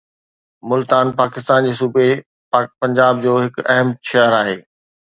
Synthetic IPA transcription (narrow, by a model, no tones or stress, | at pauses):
mʊlt̪aːnpaːkɪst̪aːnd͡ʑeːs̬uːbe | pɐ̃ɲd͡ʑaːb̚d͡ʑoːɦɪkɐɦəmʃɐəɾaːɦeː